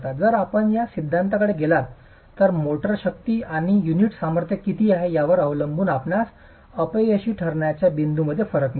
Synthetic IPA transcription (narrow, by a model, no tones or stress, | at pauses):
t̪ad͡zəɾapəɳjasid̪ʱːãnt̪akəɽeɡelat̪ː | əɾmoʈəɾɕək̚t̪iːaɽ̃ijuniʈsaməɾt̪ʰjəkːit̪iːaɦejaʋəɾəʋləmbuːnapnas | əpejəɕiːʈʰəɾɳjat͡ɕjabind̪ʱuməd̪ʱːjefəɾəkn